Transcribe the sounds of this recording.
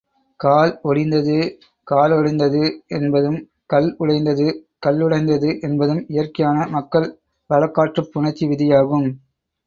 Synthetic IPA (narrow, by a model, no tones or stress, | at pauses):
kaːlɔɽɪnd̪ɐðɯ | kaːlɔɽɪnd̪ɐðɯɛnbɐðɯm | kɐlʊɽɐɪnd̪ɐðɯkɐlːʊɽɐɪnd̪ɐðɯʔɛnbɐðɯmɪjɐrkɐjaːnɐmɐkːɐɭ | ʋɐɻɐkːaːʈrɯpːʊɳɐt͡ʃːiʋɪðɪjaːɣɯm